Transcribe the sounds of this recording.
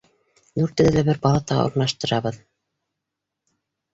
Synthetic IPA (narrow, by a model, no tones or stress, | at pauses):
nʉɾt̪ɘðɘlæbɘɾbɑlˠɑt̪ɑ̰ŏ̰ɾnɑʃt̪ɤ̆ɾɑβɤð